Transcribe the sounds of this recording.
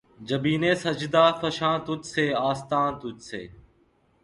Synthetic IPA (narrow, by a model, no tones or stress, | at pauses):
d͡ʒəbiːneːsəd͡ʒd̪aːfəʃãːt̪ʊt̪seːaːst̪ãːt̪ʊt̪sḛː